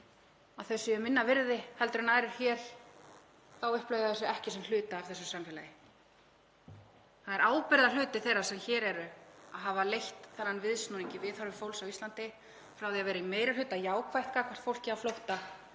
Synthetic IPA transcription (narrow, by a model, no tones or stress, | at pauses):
aðθɛsːɪʏmɪnːavɪɾðɪhɛlt̪ʏɾɪnaːɾɪɾ̥çɛːɾ̥ | θawʏhplœɥjðɪθɛs̬ːʏɛhcɪsɛmlʏːt̪aːvθɛsːʏsamfɛːla̰ːjɪ | θaðɛɾaːwpɪɾðal̥ʏːt̪ɪθejrːḁsɛmçɛːɾɛɾʏaðɦavalejht̪θɛnːanvɪðsnuniɲcɪvɪðhœɾvɪmfowlsawist̪lant̪ɪ | fɾawviavɛːɾaimeːjɾɪlʏːt̪ajaːwkʰvajht̪̚kaːkʰvḁt̪fowl̥cɪaflowht̪a